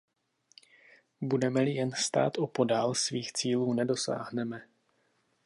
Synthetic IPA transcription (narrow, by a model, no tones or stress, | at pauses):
budɛmɛlɪjɛnst̪a̰ːt̪ʔo̞po̞daːlsviːxt͡siːluːnɛdo̞sa̰ːɦnɛmɛ